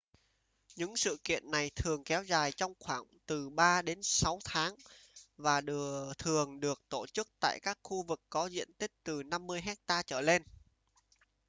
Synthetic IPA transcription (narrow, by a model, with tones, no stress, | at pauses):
ɲɨ̰˧˥ŋsɨ̰˧˨kḭ˧˨ənːa˨˩jt̪ʰɨ˨˩əŋkɛ˨˦wzaː˨˩jt͡ɕɔ˧wŋ͡mxwaː˧˩ŋt̪ɨ˨˩ɓaː˧ɗe˨˦nsa˨˦wt̪ʰaː˨˦ŋvaː˨˩ɗt̪ʰɨ˨˩əŋɗɨ˨˩ək̚t̪o˧˩t͡ɕɨ˦˥k̚t̪a̰ː˧˨jkaː˦˥k̚xu˧vɨ˨˩kːɔ˨˦zḭ˧˨ənt̪ï˦˥k̟̚t̪ɨ˨˩na˧mːɨ˧əjɦɛ˦˥k̚t̪aː˧t͡ɕəː˧˩le˧n